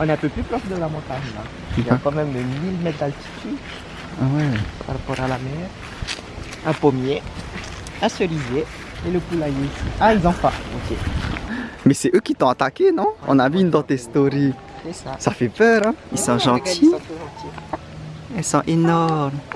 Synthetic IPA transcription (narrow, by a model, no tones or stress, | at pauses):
ɔ̃nɛ̃pøplypʁɔʃd̪əlamɔ̃t̪aɲla | ljakɑ̃mɛməmilmet̪t̪alt̪i̥t̪y | awɛpaʁapɔʁalamɛːʁ | ɛ̃pomje | asəʁize | eləkulajesiailzɔ̃faokʲe | mɛsɛʔøkʲit̪ɔ̃at̪akʲenɔ̃ɔ̰̃navyːnd̪ɑ̃t̪ɛst̪oʁi | sɛsasafɛpœʁɛ̃ilsɔ̃ʒɑ̃t̪ʰĩʒ̃t̪i | ɛlsɔ̃ʔenɔʁm